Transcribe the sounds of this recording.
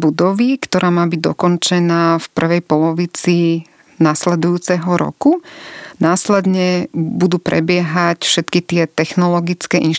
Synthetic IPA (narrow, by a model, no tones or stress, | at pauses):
bud̪ɔʋikt̪ɔɾʔaːmaːbiɟ̚d̪ɔ̰kɔnt͡ʃɛnaːfpr̩ʋɛjpɔlɔʋit͡si | naslɛd̪ujuːt͡sɛɦɔɾɔ̰kunaːslɛd̪ɲɛbud̪uːpɾɛ̰bɪɛɦacfʃɛt̪kit̪ɪɛt̪ɛxnɔlɔɡit͡skɛːʔinʃ